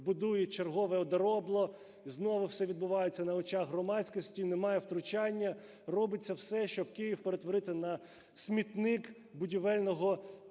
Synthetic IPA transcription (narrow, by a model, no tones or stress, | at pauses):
bʊd̪ujɛt͡ʃerɦɔʋɛɔd̪ɐɾɔblˠɔ | znɔʋʊwsɛʋʲid̪̚bʊʋɑjet͡sʲːɐnɐɔt͡ʃɑɣɦrɔmɑsʲkɔsʲtʲinemɑjɛwt̪ɾʊt͡ʃɑnʲːɐ | rɔbɪt͡sʲːɐwsɛʃt͡ʃɔbkɪjiwpeɾet̪ʋɔɾɪt̪ɪnɐ | sʲmʲit̪nɪk | bʊdʲiʋɛlʲnɔɦɔ